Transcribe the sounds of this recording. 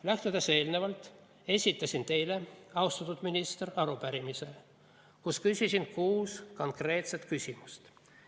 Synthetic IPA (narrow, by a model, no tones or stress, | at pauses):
læht̪ed̪ese̞ːlnevɑlt̪ˑ | e̞sʲit̪ːˑɑsint̪e̞jle̞ɑwst̪ɑt̪ːud̪minist̪erɑɾupæɾimise̞ | kuskysʲisinkuːsko̞ŋkre̞ːt̪set̪kysʲimust̪